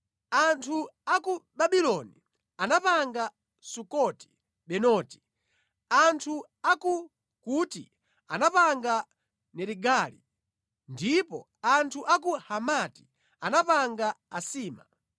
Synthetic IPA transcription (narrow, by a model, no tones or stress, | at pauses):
antʰuakuɓaɓilɔni | anapaŋɡa | sukɔti̥ | ɓɛnɔːti̥ | antʰu | aku | kuːtḭ | anapaŋɡa | nɛɾiɡaːlḭ | ndipɔ | antʰuʔak̬uhamati̥ | anapaŋɡaasiːma̰